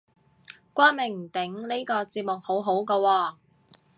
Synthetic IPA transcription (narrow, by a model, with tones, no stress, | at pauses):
kʷaː˥nmɪ˨˩ŋm̩˨˩t̪ɪ˨˥ŋli˥kɔː˧t͡siː˨˧p̚mʊ˨k̚ho˨˥wɦo˨˥wkɔː˧wɔː˧